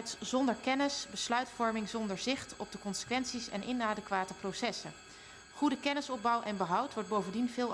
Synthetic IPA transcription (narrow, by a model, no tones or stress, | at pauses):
jtsz̥ɔndəɹkɛnəsbəslœɥtfɔɹmɪŋzɔndəɹzɪχtɔb̚dəkɔnsə̥kʋɛntsisɛ̰nʔɪ̰naːdəkʋaːtəprosɛsə | χudəkɛnəsɔb̚bɑwʔɛnbəɦʌwtʋɔɹd̚bowvəndinvɪːlˠ